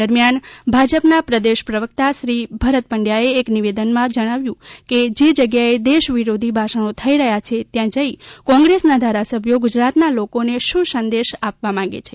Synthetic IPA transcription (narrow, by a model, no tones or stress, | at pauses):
əɾmjanbʱad͡ʒəpnapɾəd̪eʃpɾəʋək̚t̪aʃɾibʱəɾət̪̚pəɳɖjaeːkniʋed̪ənmãd͡ʒəɽ̃aʋjũked͡ʒed͡ʒəɡjaed̪eʃʋiɾod̪ʱibʱaʃənot̪ʰəiɾəɦjat͡ʃʰet̪jãd͡ʒəikɔ̃ŋɡɾesnad̪ʱaɾasəbʱjoɡʊd͡ʒɾat̪nalokoneʃũsənd̪eʃapʋamãɡḛt͡ʃʰe